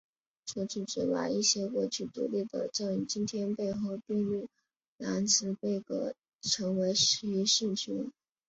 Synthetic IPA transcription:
ʈ͡ʂo˥˧ʈ͡ʂ̩˥˩ʈ͡ʂɻ̩˨˥wa̰˨˩i˥˩ɕjɛ˥kwɔ˥˩t͡ɕʰy˥˩t̪ṵ˨˩li˥˩d̪ə̰˨˩ʈ͡ʂɤ˥˩ŋ˩t͡ɕi˥nt̪ʰjɛ˥npe˥˧ɪxo˥˧ʊpi˥˧ŋlu˥˩ | la˧˥nt͡sʰɹ̩˧˥pe˥˩ɪkɤ̰˧˥ | ʈ͡ʂʰɤ˧˥ŋwe˧˥ɪʂ̩˧˥y˧˥ʂ̩˥˩t͡ɕʰy˧˥n

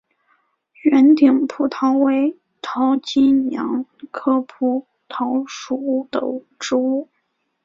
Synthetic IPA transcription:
ɥɛ˧˥nt̪i˨˩ŋpʰu˧˥˩t̪ʰɑ˧˥ʊwe˧˥ɪ | t̪ʰɑ˧˥ʊt͡ɕi˥jɑ̰˧˥ŋkʰɤ˥pʰu˧˩ | t̪ʰɑ˧˥ʊʂu˧˩u˥˩d̪ə̰˨˩ | ʈ͡ʂɻ̩˥u˥˩

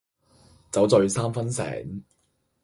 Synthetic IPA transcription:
t͡sɐ˨˥wt͡sɵ˨˧ɥsaː˥mfɐ˥nsɛ̰ː˨˩ŋ

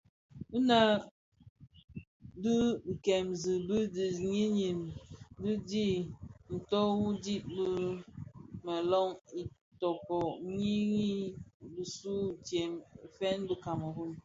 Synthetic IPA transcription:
u˦na˨ | bə˦˨kɛ˨mzɨ˨bi˦di˨ɲi˦ɲi˨mbi˦di˦n̩˨tɔ˦wu˦di˦t̚bə˦ | ma˨lɔ˦ŋi˨ | tɔ˨kɔ˨ɲi˦ɣi˦bi˨su˦˨tje˨m˨fɛ˦nbə˦ka˨mə˨hu˦n

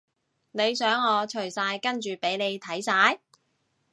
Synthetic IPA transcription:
ne˨˧jsœː˨˥ŋɔː˨˧t͡ʃʰɵ˨˩ɥsaː˧jkɐ˥nt͡ʃyː˨pe˨˥jne˨˧jt̪ʰɐ˨˥jsaː˨˧j

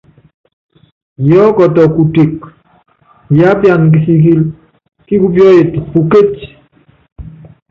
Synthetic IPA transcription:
jɔ˦kɔ˨tɔ˨ku˨ti˨k | ja˦pja˨nk̬i˨si˨k̬i˦l | ki˦ku˦pjɔ˦e˨tku˨ke˦t͡ʃ

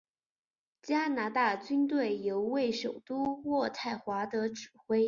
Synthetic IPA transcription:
t͡ɕja˥na˧˥t̪a˥˩t͡ɕy˥nt̪we˥˩ɪjo˧˥ʊwe˥˩ɪʂo˨˩ʊt̪u˥wɔ˥˧t̪ʰa˥˩ɪxwa˧˥t̪ɤ˧˥ʈ͡ʂɻ̩˨˩xwe˥ɪ

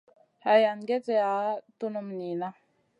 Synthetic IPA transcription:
ha˨ja˨nɡe˦t͡se˦˨a˨˦tu˦nu˨mni˨na˦

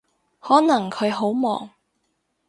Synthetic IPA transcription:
hɔː˨˥nɐ˨˩ŋkʰɵ˨˧ɥɦo˨˥wmɔ̰ː˨˩ŋ

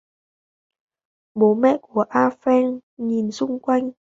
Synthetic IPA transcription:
ɓo˨˦mɛ̰˧˨ku˧˩əʔaː˧fɛ˧nɲi˨˩nsʊ˧ŋ͡mkwa˧jŋ̟

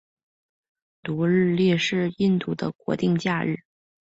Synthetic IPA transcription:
t̪u˧˥ɻɻ̩˥˧ljɛ˥˧ʂɻ̩˥˧i˥˧nt̪u˥˩d̪ə̰˧kwɔ̰˧˥t̪i˥˧ŋt͡ɕja˥˧ɻɻ̩˥˩

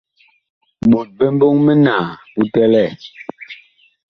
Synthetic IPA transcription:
ɓu˨t̚bɛ˦m˦bo˦ŋmɛ˦naː˨ | u˦tɛ˦lɛ˦˨

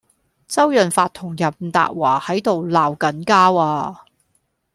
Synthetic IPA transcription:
t͡sɐ˥wjœ˨nfaː˧t̪̚ʰʊ˨˩ŋjɐ˨˩p̚m̩˨t̪a̰ː˨˩t̚waː˨˩hɐ˨˥jt̪o˨wlaː˨˩wkɐ˨˥nkaː˥waː˧

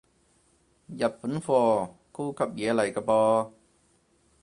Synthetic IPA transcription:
jɐ˨˩p̚fu˨˥nfɔː˧ko˥wkʰɐ˨p̚jɛː˨˧lɐ˨˩jkaː˧pɔː˧

